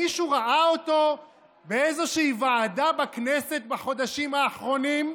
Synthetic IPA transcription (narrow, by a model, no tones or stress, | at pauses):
iʃuʁaʔaoto̞ | beezo̞ʃiivaʕadabaknese̞t̪̚baχo̞d̪aʃimaːχʁo̞nim